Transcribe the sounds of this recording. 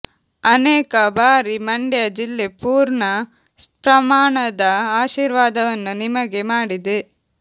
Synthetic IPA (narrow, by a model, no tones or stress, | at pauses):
ɐneːkɐbaːɾimɐɳɖjɐd͡ʒilːepuːɾɳɐ | pɾɐmaːɳɐd̪ɐaːʃiːɾʋaːd̪ɐʋɐnːunimɐɡe̞maːɽid̪e̞